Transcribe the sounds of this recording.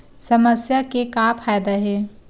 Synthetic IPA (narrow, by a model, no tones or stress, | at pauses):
sɐməsjakekaːpʰaːjd̪aɦɛː